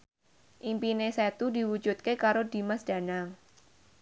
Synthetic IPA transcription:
ʔimpineset̪udiwud͡ʒut̪̚kekaɾodi̤masd̥a̤naŋ

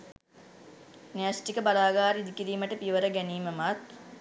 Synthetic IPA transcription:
nejasʈikəbalaːɡaːɾiid̪ikiɾiːməʈəpiʋəɾəɡæniːməmat̪

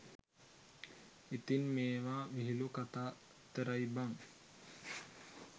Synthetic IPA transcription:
it̪inmeːʋaːʋiɦilukat̪aː | t̪əɾajbaŋ

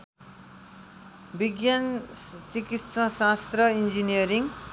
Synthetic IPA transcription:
biɡjant͡sikit̪sʌsast̪rʌind͡zinijʌɾiŋ

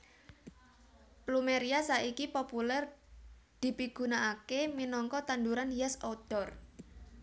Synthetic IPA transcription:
plumeɾiasaʔikipopulɛr | d̪̥i̤piɡ̥ṳnaʔːkeminɔŋkɔt̪and̪uɾanhijasod̪̥ɔ̤r

